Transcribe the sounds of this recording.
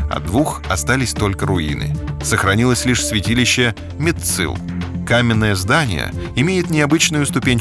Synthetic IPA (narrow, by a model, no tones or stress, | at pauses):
ɐ̰d̪vuxɐst̪alʲɪsʲt̪o̞lʲkəɾʊinɨ̰səxɾɐnʲilˠəsʲlʲiʂsvʲɪtʲilʲɪɕːɪ | mʲɪt̪sɨ̰lˠkamʲɪnːəjəzd̪anʲɪ̰jə̰ɪmʲejɪt̪nʲɪɐbɨt͡ɕnʊjʊst̪ʊpʲenʲ